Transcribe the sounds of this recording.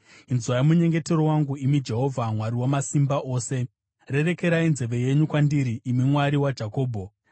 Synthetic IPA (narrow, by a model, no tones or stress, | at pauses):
inzwajamuɲe̞ŋɡe̞te̞ɾowaŋɡuimid͡ʒe̞ɦo̞vʱamwaɾiwamasimbaʔo̞ːse̞ | re̞re̞ke̞ɾainze̞ʋe̞je̞ɲukwandiɾiʔːmimwaɾiwad͡ʒako̞ːbʱo̞